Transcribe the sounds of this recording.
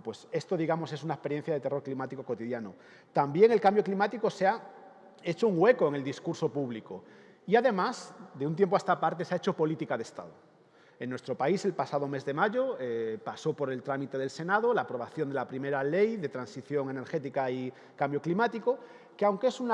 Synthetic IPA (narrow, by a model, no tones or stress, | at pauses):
pwe̞se̞st̪o̞ðiɣ̞amo̞se̞sunaespeɾje̞n̟θjaðet̪e̞ro̞ɾklimat̪ikoko̞t̪iðjano | t̪ambje̞ŋe̞lkambjo̞klimat̪iko̞sea | e̞t͡ʃouŋɡwe̞ko̞eŋe̞ld̪iskuɾso̞puβ̞liko | iaðe̞masd̪eunt̪̬jemp̬oast̪apaɾt̪e̞seaet͡ʃo̞po̞lit̪ikaðest̪a̰ðo | enːwe̞st̪ɾo̞paise̞lpasað̞o̞me̞zðe̞maʝo̞epaso̞po̞ɾe̞lt̪ɾamit̪e̞ðe̞lse̞nað̞olaːpɾo̞βaθjond̪e̞lapɾimeɾale̞jðe̞t̪ɾansiθjo̞ŋe̞ne̞ɾxe̞t̪ikai | kambjoklimat̪iko̞ | keawŋkee̞sun